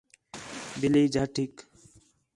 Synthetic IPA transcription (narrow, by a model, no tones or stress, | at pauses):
bɪliːd͡ʒaːʈʰik